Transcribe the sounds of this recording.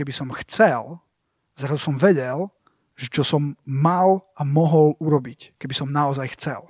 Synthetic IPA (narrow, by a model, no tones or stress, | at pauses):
ɛbisɔmxt͡sɛl | zɾazusɔmʋɛɟɛl | ʒɛt͡ʃɔsɔmːalamɔɦɔluɾɔbickɛbisɔmnaɔzajxt͡sɛ̰l